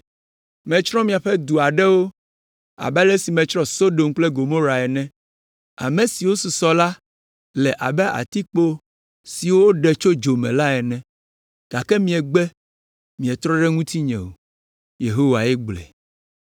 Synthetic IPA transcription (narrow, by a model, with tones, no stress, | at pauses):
mɛ̃˨t͡ʃɾɔ̃˦mĩ˨a˨ɸɛ˦d̪u˨a˨ɖɛ˦wo˦ | a̰˨bɛ˦lɛ˦si˨mɛ̃˨t͡ʃɾɔ̃˦so˦ɖo˨mk͡plɛ˦ɡo˨mo˦ɾa˨ɛ˨nɛ̃˦ | a̰˨mẽ˨si˨wo˦su˨sɔ˦la˦ | lɛ˨ʔa˨bɛ˦ʔa̰˨t̪i˦k͡po˦ | si˨wo˦wo˦ɖɛ˨t͡ʃo˦d͡ʒo˨mɛ̰̃˨la˦ɛ˨nɛ̃˦ | ɡ̥a˨kɛ˦mĩ˦ɛ˨ɡ͡bɛ˦ | mĩ˨ɛ˨t̪ɾɔ̃˦ɖɛ˦ŋũ˦t̪i˦ɲɛ̰̃˨wo̰˨ | je˨ɦo˦wa˨ɛ˦ɡ͡blɛ̰˨